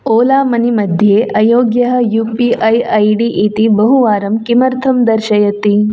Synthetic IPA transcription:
oːlaːmɐnimɐd̪ʱjeːʔɐjoːɡjɐɦɐ̆juːpiʔɐjɐjɖiʔit̪ibɐɦuʋaːɾɐmkimɐɾt̪ʰɐmd̪ɐɾʃɐjɐt̪i

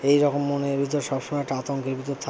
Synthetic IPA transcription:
ejɾɔkomːonebʱit̪oɾʃɔbʃomɔeʈat̪oŋkebit̪ot̪ʰa

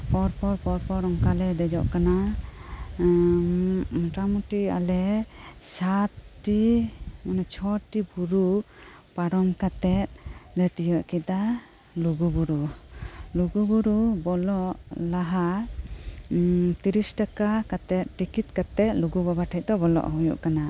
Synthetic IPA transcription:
pɔɾpɔɾpɔɾpɔɾɔŋkalɛd̪ɛd͡ʒɔ̰ʔkana | ʈamuʈia̰lɛsat̪ʈimanɛt͡ʃʰɔʈibuɾu | paɾɔmkat̪ɛt̪̚lɛt̪ijɔʔkit̪a | luɡubuɾu | luɡubuɾubɔlɔʔlaɦa | t̪iɾisʈakakat̪ɛt̪̚ʈikit̪̚kat̪ɛt̪̚luɡubabaʈʰɛc̚d̪ɔbɔlɔ̰ʔɦujṵʔkana

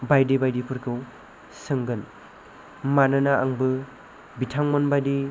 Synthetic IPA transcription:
bajdibajdipʰɯɾkʰɯw | sɯŋɡɯn | manɯnaaŋbɯ | bitʰaŋmɔnbajdi

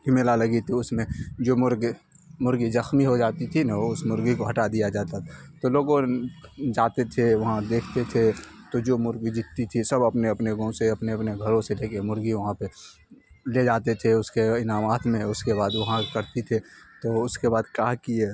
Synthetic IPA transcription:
kɪmelalɐɡit̪ʰiʊsmẽd͡ʒoːmʊɾɡ | mʊɾɡizəxmiɦod͡ʒaːt̪it̪ʰinɐʊsmʊɾɡikoɦɐʈad̪ijad͡ʒaːt̪at̪oloːɡõ | d͡ʒaːt̪et̪ʰeʋɐɦãd̪eːkʰt̪et̪ʰe | t̪od͡ʒoːmʊɾɡid͡ʒɪt̪ːit̪ʰisɐbɐpneɐpneɡõseɐpneɐpneɡʱɐɾõseleːkemʊɾɡiʋɐɦãpe | led͡ʒaːt̪et̪ʰeʊskeɪnaːmaːt̪ʰmẽʊskebaːd̪ʋɐɦãkɐɾt̪it̪ʰet̪oʊskebaːd̪kaːkie

